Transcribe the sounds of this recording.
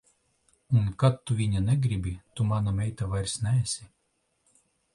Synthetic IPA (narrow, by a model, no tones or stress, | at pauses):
unkat̪ːuvʲiɲʲanʲɛɡɾibʲit̪umanamʲɛjt̪avajɾʲsnʲæɛsʲi